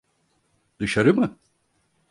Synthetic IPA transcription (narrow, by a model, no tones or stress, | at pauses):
d̪ɯʃaɾɯmɯ